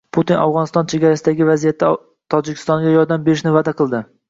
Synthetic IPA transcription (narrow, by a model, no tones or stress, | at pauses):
pʰut̪ina̰vʁɒnɪst̪ɒnt͡ʃʰeɡʲaɾasɪd̪aɡʲɪvazijat̪ʰːɪ | t̪ʰɒd͡ʒɪkʲʰɪ̥st̪ɒŋɡʲajɒɾd̪ambeɾɪʃnɪvad̪aqʰɨlˠd̪ɪ